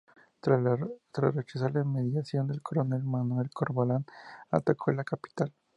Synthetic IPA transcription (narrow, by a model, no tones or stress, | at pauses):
ɾat̪ɾaret͡ʃas̬alemeðjasjond̪elkoɾonelmanwelkoɾβolana̰t̪akʰelakapi̥t̪al